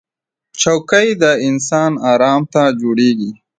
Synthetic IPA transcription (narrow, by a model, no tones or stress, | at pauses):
t͡ʃawkəjd̪əɪnsɑnɑːɾɑmt̪ad͡ʒoɽeɡi